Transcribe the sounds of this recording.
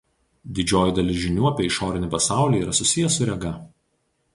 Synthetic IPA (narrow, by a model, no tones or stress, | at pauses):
d̪ʲɪd͡ʒʲoːjɪd̪ɐlʲɪʒʲɪnʲuːɐpʲiɛɪʃoːɾʲɪnʲɪˑpɐsɑˑʊlʲiːiːɾɐsʊsʲɪjɛsʊɾʲɛɡɐ